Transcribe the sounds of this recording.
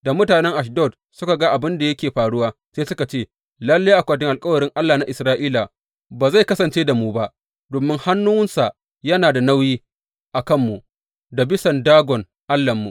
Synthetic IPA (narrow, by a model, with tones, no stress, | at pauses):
da˨mʊ˦taː˨nɛ˦ŋʔa˨ʃ̬dɔ˦˨d | sʊ˦ka˨ɡa˦ʔa˨bɪ˦nda˨jɐ˦kʲeː˨ɸaː˨ɽʊ˦waː˦seː˦sʊ˦ka˨t͡ʃeː˦˨ | lɐ˦lːa˦ʔa˨kʷaː˨tɪ˦ŋʔa˨lkʼɐ˦wɐ˨ɾɪ˦ŋʔa˦lːaː˨na˦ʔɪ˨sɾaː˦ʔiː˦la˨ | baː˨za˦˨jkɐ˦sɐ˨nt͡ʃeː˦da˨muː˦ba˦ʔ | doː˨mɪ˦ŋha˦nːu˦wɪ˦nsa˨ʔ | jɐ˦naː˨da˨na˦wjiː˦ | ʔa˨kɐ˦˨mːu˨ʔ | da˨bɪ˦sɐ˨ndaː˦ɡɔ˨n | ʔa˦lːɐ˨mːu˨ʔ